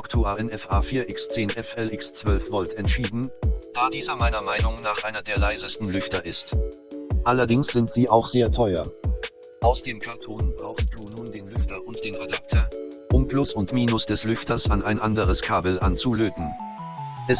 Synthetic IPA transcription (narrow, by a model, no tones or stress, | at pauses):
ɔktʰuaʔɛnɛfʔaːfiːɐʔɪkst͡seːnʔɛfɛlɪkst͡sv̥œlfv̥ɔltɛntʃiːdn̩d̥aːdiːzɐmaɪnɐmaɪnʊŋnaːχʔaɪnɐdeːɐlaɪzəstn̩lʏftɐʔɪst | ʔalɐdɪŋsz̥ɪntz̥iːʔaʊxz̥eːɐtʰɔʏɐ̰ | ʔaʊsd̥eːmkʰaʁtʰɔːnbʁaʊxst̚d̥uːnuːndeːnlʏftɐʊnt̚d̥eːnʁɛdak̚tʰɐɐʔʊmplʊsʊntmiːnʊsd̥ɛslʏftɐsanʔa̰ɪnʔandəʁəskʰaːbl̩ant͡suløːtn̩ | ʔɛs